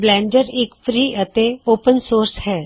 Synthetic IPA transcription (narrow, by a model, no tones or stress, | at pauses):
blɛ̃ːɳɖəɾɪkfʰɾiːʔət̪eoːpənsoːɾshɛː